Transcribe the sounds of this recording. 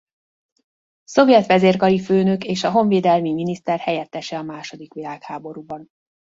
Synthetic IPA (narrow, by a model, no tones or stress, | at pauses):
so̞vjɛt̪ʋɛzeːrkɒliføːnøkeːʃɒɦo̞ɱveːd̪ɛlmiminist̪ɛrhɛjɛt̪ːɛʃɛɒmaːʃo̞d̪ikʋilaːkhaːbo̞ɾuːbɒn